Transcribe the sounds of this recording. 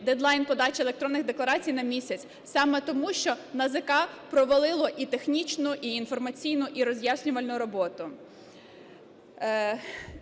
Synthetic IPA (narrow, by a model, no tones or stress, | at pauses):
d̪ɛd̪lˠɑjnpɔd̪ɑt͡ʃelˠekt̪ɾɔnːɪɣd̪eklˠɐɾɑt͡sʲijnɐmʲisʲɐt͡sʲ | sɑmɛt̪ɔmuʃt͡ʃɔnɐzɐkɑpɾɔʋɐlˠɪlˠɔʔit̪exnʲit͡ʃnʊʔiːnfɔrmɐt͡sʲijnʊʔiɾɔzʲjasʲnʲʊʋɐlʲnʊɾɔbɔt̪ʊ